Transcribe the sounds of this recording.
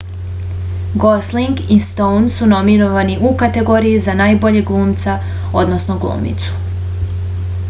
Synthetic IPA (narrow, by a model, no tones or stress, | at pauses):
ɡo̞sliŋɡist̪ownsuno̞minoʋaniʔukat̪e̞ɡo̞ːɾijizanaːjbo̞ʎe̞ɡlˠuːmt̪sa | o̞d̪no̞snoɡlˠṵːmḭt̪su̥